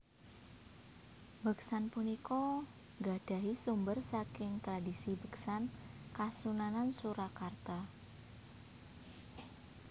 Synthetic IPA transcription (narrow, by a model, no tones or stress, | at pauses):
bəksanpunikɔ | ŋɡad̥a̤ɦisumbərsakɪŋt̪ɾadisibəksankasunanansuɾakart̪a